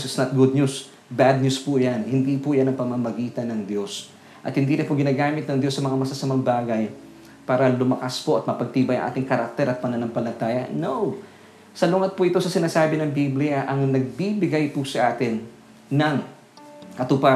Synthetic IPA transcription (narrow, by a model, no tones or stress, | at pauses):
sɪt̪snɐt̪̚ɡʊd̪̚ɲus | bad̪̚ɲuspʊjanhɪnd̪iːpʊjanɐŋpɐmɐmɐɡiːt̪ɐnɐŋd̪jo̞s | ʔɐ̰t̪hɪnd̪iːɾɐpʊɡɪnaːɡaːmɪt̪̚nɐŋd̪jo̞sːɐmɐŋamɐsɐsɐmaŋbaːɡɐj | paːɾɐlʊmɐkaspoʔɐt̪̚mɐpɐɡ̚t̪iːbɐjɐ̰ŋʔa̰ːt̪ɪŋkɐɾak̚t̪ɛɾʔɐt̪̚pɐnɐnɐŋpɐlɐt̪aːjɐ̰now | sɐlʊŋɐt̪̚pʊʔɪt̪o̞sɐsɪnaːsaːbɪnɐŋbiblɪjɐʔɐŋnɐɡ̚bibɪɡajpʊsɐʔaːt̪ɪnː | ɐŋ | kɐt̪ʊpa